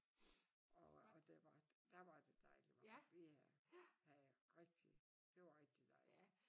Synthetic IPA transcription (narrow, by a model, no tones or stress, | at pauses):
ɒɒd̥eʋɑ̥̈d̥æʋɑ̈d̥e̝d̥ɑ̈ɪ̰liʋɑjææhæʁɛɡ̥̚d̥i | d̥e̝ʋɑ̈ʁɛɡ̥̚d̥id̥ææ